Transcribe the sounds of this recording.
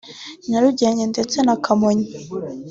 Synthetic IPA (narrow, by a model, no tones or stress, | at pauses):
naɾuɟeɲendet͡senakʰamoɲi